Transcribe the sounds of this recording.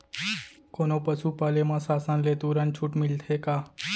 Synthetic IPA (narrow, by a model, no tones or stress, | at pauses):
koːnoːpəsuːpaːlemãːsaːsãːnleːt̪uːɾant͡ʃʰuːʈmɪlt̪ʰɦeːkaː